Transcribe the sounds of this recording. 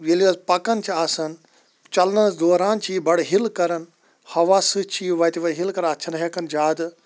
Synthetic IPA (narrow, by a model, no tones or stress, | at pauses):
ʋiliʋɐzpɐkɐnt͡ʃʰiaːsɐn | t͡ʃɐlnɐnɐsd̪oːɾaːnt͡ʃʰiːbɐɽɦilkɐɾɐn | hɐʋaːsɨt͡ʃʰiːʋɐt̪iʋɐɦilkɐɾnɐtt͡ʃʰɐnɦɐkɐnd͡ʒaːd̪ɨ